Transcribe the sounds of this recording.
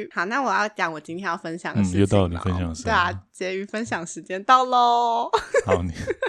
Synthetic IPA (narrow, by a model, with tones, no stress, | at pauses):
xɑ˨˩na˥˩wɔ˨˩jɑ˥˩ʊt͡ɕjɑ˨˩˦ŋwɔ˨˩t͡ɕĩ˥nt̪ʰjɛ˥njɑ˥˩ʊfə˥nɕjɑ˨˩ŋə˩˥ʂj̩˧jo˧ʊt̪ɑ˥ʊ˨˩n˨˩fə˥nɕjɑ˨˩ŋə˩ʂ̩˧we˥˧˩a˨˩t͡ɕjɛ˧˥y˧˥fə˥˧nɕjɑ˨˩ŋə˦ʂɻ̩˧˥t͡ɕjɛ˥nt̪ɑ˥˩ʊlɔ˨˩xɑ˨˦ʊni˨˩˦